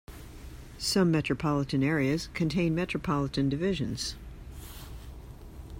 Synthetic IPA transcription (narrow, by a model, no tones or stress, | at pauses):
sʌ̃mːɛt͡ʃɹ̥ɨpʰɑlˠəɾɨ̃nɛɹiɨz̥kʰɨ̃ntʰẽɪ̃nmɛt͡ʃɹ̥əpʰɑlˠəɾɨ̃ndɨvɪʒɨ̰̃nz̥